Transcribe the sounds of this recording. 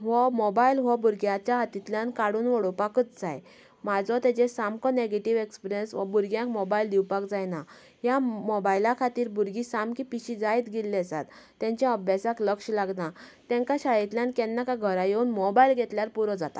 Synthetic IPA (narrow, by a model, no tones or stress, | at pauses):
ʋɔmɔbailɦɔbuɾɡjãt͡ɕjaɦat̪it̪ljankaɽuːnʋɔɽopakət͡sd͡zaj | mad͡zɔt̪at͡ɕesamkɔneɡeʈiʋekspɾjənsʋabuɾɡjãŋkmɔbaild̪iwpakd͡zajna | ɦjamɔbajlakʰat̪iːɾbuɾɡisamkipiɕid͡zajt̪ɡilːɛsa̰t̪ːãɲt͡ɕjãəbʱjasakləkɕlaɡnat̪ɛ̃ŋkaɕajit̪ljãnkɛnːakaɡʱəɾajeunmɔbailɡʱet̪ljaɾpuɾɔd͡zat̪a